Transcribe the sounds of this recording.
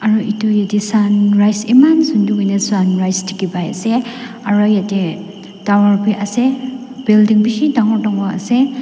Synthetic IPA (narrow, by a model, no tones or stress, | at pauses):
aɾɔʔitujadisanɾajsimansunduɡajnesanɾajstʰi̥kibaja̰se | aɾɔjadi | d̥awɔɾpʰiʔase | b̥ildiŋbisidaŋɔɾdɔŋwaɐ̰se